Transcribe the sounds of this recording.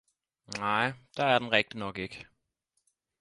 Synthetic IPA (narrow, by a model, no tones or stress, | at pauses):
naɪ̰d̥ɑ̈æɐd̥enʁɛɡ̥̚d̥ənɒɡ̥e̝ɡ̥